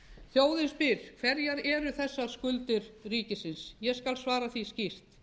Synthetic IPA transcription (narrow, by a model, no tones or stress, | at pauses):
θjoːwðɪnspɪɾ̥kʰv̥ɛɾjaɾɛɾʏθɛsːaɾ̥skʏlt̪ɪɾriːcɪsɪnsjɛskalsvaːɾaθiscir̥t̪